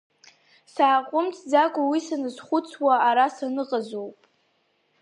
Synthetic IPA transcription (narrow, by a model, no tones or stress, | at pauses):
saːqʷʼʊmt͡sʰd͡zakʷʼʊwisanɨzχʷʊt͡sʰwaːɾasanɨqʼazowpʼ